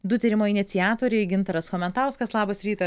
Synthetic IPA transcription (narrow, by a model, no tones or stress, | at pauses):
d̪ʊt̪ʲiːɾʲɪmoːɪnʲɪt̪sʲɪjaːt̪oːɾʲɛɪɡʲɪnt̪ɐɾɐsxoːmʲɛnt̪ɑˑʊskɐslˠɑːbɐsɾʲiːt̪ɐ